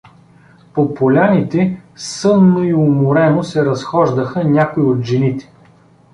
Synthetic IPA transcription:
popolʲanit̪ɛsɤnːoiʊmʊɾɛnosɛɾɐsxɔʒd̪əxənʲakʊiot̪ʒɛnit̪ɛ̥

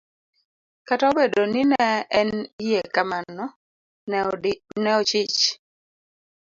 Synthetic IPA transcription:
kataobedonɪnɛɛnijekamanɔ | nɛot͡ʃɪt͡ʃ

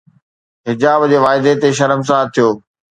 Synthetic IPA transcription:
ɦɪd͡ʑaːbd͡ʑeːʋaːɪd̪et̪eʃɐɾəms̬aːt̪ʰijoː

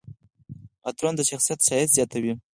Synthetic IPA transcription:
at̪ɾond̪aʃaχsijat̪ʃajat̪z̥ijat̪ʰawi

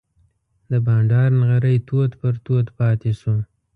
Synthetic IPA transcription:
d̪əbɑɳɖɑɾnɣaɾəjt̪ʰod̪pəɾt̪od̪pɑt̪eʃu

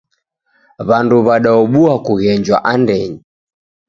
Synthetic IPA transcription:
βanduβaɗaɔɓuakuɣɛɲd͡ʒwa̰ʔandɛɲi

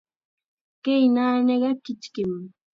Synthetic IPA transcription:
kejnaːneɢɑkɪt͡ʃkɪm

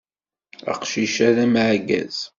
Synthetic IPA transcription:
ə̰qʃiʃæðæmʕɡæ̰z̥

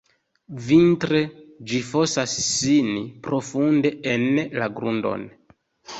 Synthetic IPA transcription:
vintɾed͡ʒifosasːinipɾofundeenlaɡɾundo̰n

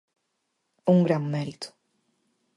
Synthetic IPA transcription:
ũŋɡɾãwmɛɾit̪ʊ̥

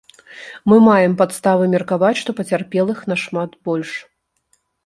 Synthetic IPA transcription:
mɨmajɛmpat̪st̪avɨmʲɛrkavat͡sʲʂt̪ɔpɐt͡sʲarpʲɛlˠɨxnɐʂmat̪bɔlʲʂ

